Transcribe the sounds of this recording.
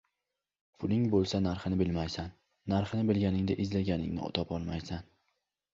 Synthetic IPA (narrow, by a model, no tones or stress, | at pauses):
pʰʊlɪŋbolˠsanaɾχɨnɪbɪlmajsanː | aɾχɪnɪbɪlɡʲanɪŋd̪aʔɪzlaɡʲanɪ̰ŋnɪ̰ʊ̰t̪ʰɒpɒlˠmajsan